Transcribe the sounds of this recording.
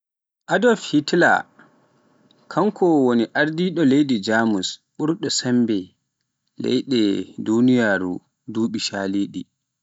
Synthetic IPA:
ʔadɔfhitla̰ | kʰaŋkʰɔwoniʔaɾdiɗɔlejdid͡ʒaːmusɓuɾɗɔsɛmbɛ | lɛ̰jɗɛdunijaːɾṵ | duːɓiʃaːliːɗḭ

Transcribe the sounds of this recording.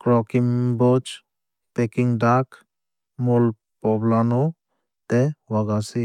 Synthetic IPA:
kɾɔkimbɔd͡ʒ | pɛkiŋdak | mul | pɔblanɔ | t̪ɛwaɡasi

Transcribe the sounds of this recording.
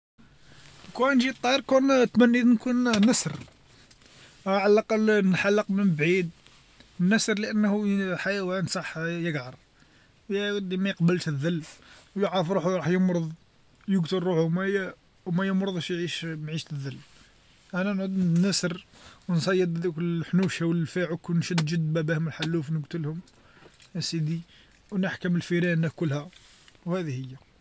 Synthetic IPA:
kunʒit̪ˤːɑɾkunt̪mænːid̪nkunːəsɾ | ʕalɑqɑlnħalːəqmənbʕid̪ | nːæsɾləʔənːhuħajæwænsˤɑħjəɡʕɑɾˤ | jwd̪ːimæjəqbəlt̪əðːəlːwjəʕːəfɾuħuɾˤɑħjəmɾʊðˤ | jəɡt̪əlɾuħumæjæ | wmæjəmɾˤʊðˤʃjʕiʃmʕiʃt̪ðːəlː | ʔənænʕud̪næsəɾwnsˤɑjːəd̪kħnuʃhæwəfiʕukːunʃəd̪ʒəd̪ːbæbihʊməlħalːufnəɡt̪əlhʊm | æsid̪i | wnəħkəməlfiɾænækʊlːhæ | whæd̪ihəjːæ

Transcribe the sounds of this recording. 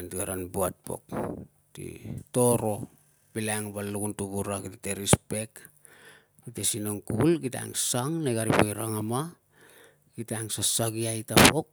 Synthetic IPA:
ntiɡaɾanbuat̚po̞̰k̚ | tḭto̞ɾo̞ | bilaŋbaluɡuntuβuɾaɡiteteɾispe̞k | ɡitesinoŋkulɡita̰ŋsaŋneɡaɾipojɾaŋama | ɡ̥itaŋsasaɡiajtapo̞k̚

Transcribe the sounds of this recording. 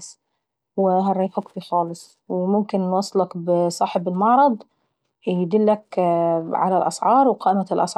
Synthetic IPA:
s | wɪɦarˤːɑjːfukfixɑːlɨsˤ | wɪmʊmkɪnwɑsˤːɑlɑkbɪsˤɑːħɪbɪlmɑʕɾˤɑd̪ˤ | jɪd̪ɪlːak | ʕa̰lalʔɑ̰sʕɑːɾˤwqɑːʔɪmalʔɑ̰sʕ

